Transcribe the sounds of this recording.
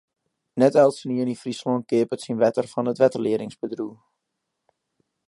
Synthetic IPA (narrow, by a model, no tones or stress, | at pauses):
nɛtɛlˠtsəniənifrislɔn̚kɪəpətsinʋɛtərfɑnətʋɛtərlɪəɾɪŋsbədru